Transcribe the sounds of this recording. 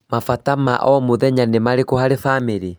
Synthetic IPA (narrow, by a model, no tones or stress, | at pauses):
mafatama̰ʔɔmoðɛɲanemaɾekohaɾefameɾi